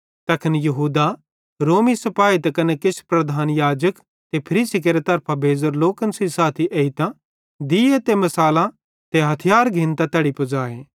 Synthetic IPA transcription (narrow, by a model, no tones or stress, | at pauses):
t̪ɐkʰənjɐɦuːd̪a | ɾoːmisɐpaːit̪ɐkɐnekɪspɾɐd̪ʱaːnjaːd͡ʒək | t̪epʰɐɾiːsik̬eɾet̪ɐɾpʰabʱeːzoɾloːkənsisaːt̪ʰiʔeːit̪ã | d̪iet̪emɐsaːlã | t̪eɦɐt̪ʰɪjaːɾɡʱĩnt̪at̪ɐɽipɐd͡ʒaːeː